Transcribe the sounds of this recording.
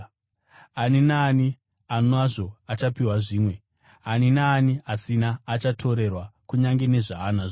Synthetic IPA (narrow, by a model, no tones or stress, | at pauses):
aninaːni | anoaʐo̞at͡ʃapiwaʐiːmwe̞ | aninaːniasinaːt͡ʃatʰo̞ɾe̞rwakuɲaŋɡe̞ne̞ʐaːnaʐ